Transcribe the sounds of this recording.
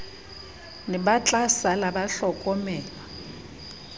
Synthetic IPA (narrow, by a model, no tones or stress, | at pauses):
nɪɓat͡ɬʼasalaɓaɬɔkʼɔmɛːlɔ